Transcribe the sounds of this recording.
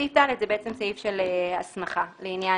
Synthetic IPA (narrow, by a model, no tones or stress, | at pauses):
italetzebeet͡semsaifʃeleasmaχaleinja